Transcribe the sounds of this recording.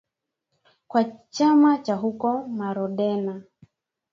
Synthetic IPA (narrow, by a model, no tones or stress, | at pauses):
kwat͡ʃamat͡ʃaɦukɔmaɾɔɗɛna